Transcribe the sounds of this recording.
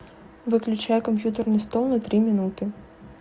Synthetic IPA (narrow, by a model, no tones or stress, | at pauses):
vɨklʲut͡ʂajɛkɐmpʲjut̪ɐrnɨst̪ɔlˠnɐt̪ɾɨmʲinut̪ɨ